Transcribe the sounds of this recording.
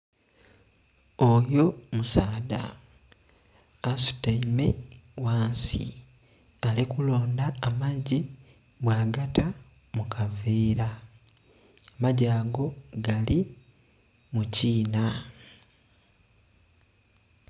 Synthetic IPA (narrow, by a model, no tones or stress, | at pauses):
ojo̞musaːda̰ | su̥taimewaːnsḭ | alikulo̞ːndaːmaɟi | bwaːɡata | mukʰaveːɾa | amaɟaːɡo̞ɡali | muciːna